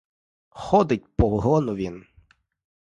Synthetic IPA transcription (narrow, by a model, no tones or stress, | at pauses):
xɔd̪ɪt̚ʲpɔɦˠɔnʊʋʲin